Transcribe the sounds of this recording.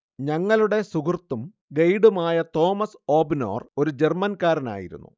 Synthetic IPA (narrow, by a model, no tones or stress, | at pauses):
ɲɐŋːɐɭuɽe̞suɡurt̪ːum | ɡɐjɽumaːjɐt̪o̞ːmɐso̞ːbino̞̰ːro̞ɾud͡ʑe̞rmɐnkaːɾɐna̰ːjḭɾṵnːṵ